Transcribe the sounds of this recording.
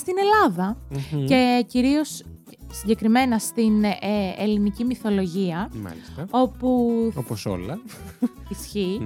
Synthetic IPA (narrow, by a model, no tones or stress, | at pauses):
st̪ine̞lɐðɐce̞ciɾio̞s | siɲɟe̞kɾime̞nɐst̪inelinicimiθo̞lo̞ʝiɐmɐ̰lisɐo̞puoposo̰lɐ | isçi